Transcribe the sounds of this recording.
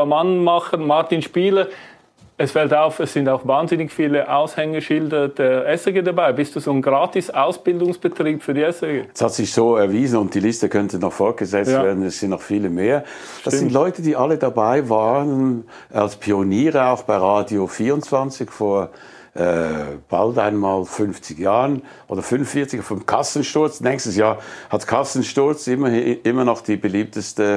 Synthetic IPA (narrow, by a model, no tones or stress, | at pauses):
manmaχənmaɐtinʃpiːlə | ɛsfɛltaʊfɛsːɪndaʊxvaːnzɪnɪçfiːləʔaʊshɛŋəʃɪldəd̥ɛɐʔɛsɛɡeːdabaɪbɪst̚d̥uːzoːnɡʁaːtɪsaʊsb̥ɪldʊŋsb̥ətʁ̥iːpfyːɐdiːɛsɛɡeɛshatz̥ɪçz̥oːɛɐviːzn̩ʊnt̚d̥iːlɪstəkʰœntənɔχfɔɐt̚ɡ̥əzɛt͡sttvvɛːɐdn̩ɛsɪntnɔχfiːləmeːɐ | d̥assɪntlɔʏtəd̥iːʔɑlədabaɪvaːʁən | ʔa̰lspʰioniːʁəaʊxb̥aɪʁaːdiofiːʁʊntt͡sv̥ant͡sɪçfoːɐ | ʔɛːb̥a̰ltaɪnmaːlfʏnft͡sɪjaːʁən | ʔoːdɐfʏnnfiɐt͡sɪçafd̥ɛmkʰasən̩ʃtʊɐt͡snɛːkçstəsjaːɐhatkʰasn̩ʃtʊɐt͡sɪɐʔɪmɐnɔχd̥iːbəliːp̚təstə